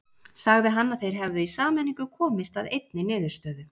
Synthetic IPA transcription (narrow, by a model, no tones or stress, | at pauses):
saɣðɪɦanːaðθejɾ̥ɦɛvðʏisaːmɛniŋkʏkʰɔːmɪst̪aðejt̪nɪnɪːðʏɾ̥st̪œːðʏ